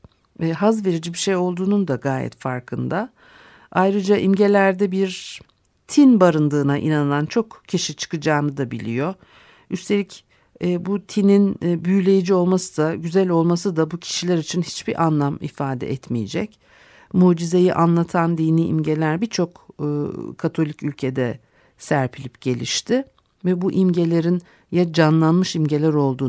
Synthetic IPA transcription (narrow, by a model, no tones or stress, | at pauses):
ɦazve̞ɾid͡ʒibiʃejo̞lˠd̪uːnund̪aɡaːjɛ̰t̪fa̰ɾkʰɯnd̪a | ajɾɯd͡ʒaʔimɟe̞lʲæɾd̪ɛbiɾ | t̪ʰinbaɾɯnd̪ɯːnaʔḭnanɯlˠant͡ʃʰo̞kcʰiʃit͡ʃʰɯ̥kɯd͡ʒaːnɯd̪abilʲḭjo̞ | yst̪ʰe̞lʲic | ɛːbut̪ʰininbyjlʲe̞jid͡ʒio̞lˠmasɯd̪aɟyzælʲo̞lˠmasɯd̪abucʰi̥ʃilʲæɾit͡ʃʰinhit͡ʃbiɾʔanlˠamḭfaːd̪ɛ̰ʔɛt̪mijḛd͡ʒɛc | muːd͡ʒize̞jiʔanlˠat̪ʰand̪iːniʔḭmɟe̞lʲæɾbiɾt͡ʃʰo̞kː | kʰat̪ʰo̞lʲicylʲcʰed̪ɛ | sæɾpʰilʲipɟ̥e̞lʲiʃt̪ʰɪ | vɛbuʔimɟe̞lʲe̞ɾin | jad͡ʒanlˠanmɯʃimɟe̞lʲæɾo̞lˠd̪uː